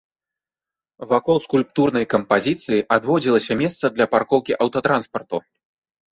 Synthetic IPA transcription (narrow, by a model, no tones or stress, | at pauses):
vakɔlˠskulʲp̚t̪urnɐjkɐmpazʲit̪sɨjiʔad̪vɔd͡zʲilˠɐsʲɐmʲɛst̪sɐd̪lʲɐparkɔwkʲiʔɐwt̪ɐt̪ɾanspɐrt̪u